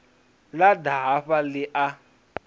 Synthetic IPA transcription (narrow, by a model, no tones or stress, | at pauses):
ladaɦaɸalɪʔa